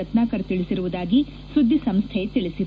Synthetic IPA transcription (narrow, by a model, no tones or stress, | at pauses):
ɐt̪naːkɐɾɐt̪iɭisiɾuʋud̪aːɡi | sud̪ʱːisɐmst̪ʰɛet̪iɭisi